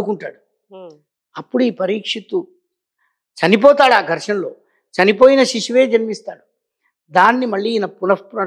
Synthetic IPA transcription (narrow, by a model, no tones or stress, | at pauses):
ukuɳʈa̰ːɽu | ɐpːuɽuiːpɐɾiːkʂit̪u | t͡ʃɐnip̬ɔːt̪aːɽaːɡ̪ʱɐɾʂɐnlo̞ː | t͡ʃɐnipoːjinɐʃiʃuʋe̞ːd͡ʒɐnmist̪aːɽu | d̪aːnːimɐɭːiːnɐpunɐfpɾɐ